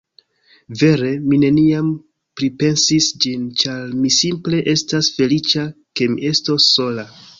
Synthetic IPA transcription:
ve̞ɾe̞mine̞niam | pɾipe̞nsisd͡ʒint͡ʃaɾmisimple̞ʔe̞stasfe̞lit͡ʃake̞miʔe̞sto̞sːo̞la

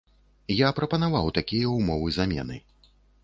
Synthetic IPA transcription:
japɾɐpɐnavawt̪akʲijɐwmɔvɨzamʲɛ̰nɨ̰

